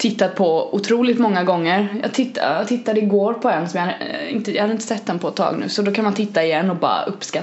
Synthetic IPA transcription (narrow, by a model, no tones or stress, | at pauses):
t̪ʰɪt̪ːat̪̚pʰɔʊt̪ʰɾuːlɪt̪mɔŋːaɡɔŋːəɾjɑ̰ːɡt̪ʰɪt̪ːat̪ʰɪt̪ːad̪əɪɡoːɾpʰɔɛnːsɔmjhad̪əɪ̰nt̪əjɑ̰had̪əɪnt̪əsɛt̪ːd̪ɛnpʰɔɛt̪ʰːɑ̰ːɡnʉ̟ːsɔd̪ɔkʰanmant̪ʰɪt̪ːaɪjɛnːɔbɑ̰ːɾa̰ʔɵpːska